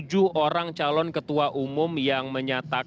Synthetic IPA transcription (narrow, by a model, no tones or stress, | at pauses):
d͡ʒuoɾaŋt͡ʃalɔnkət̪uaʔumʊmjaŋməɲat̪a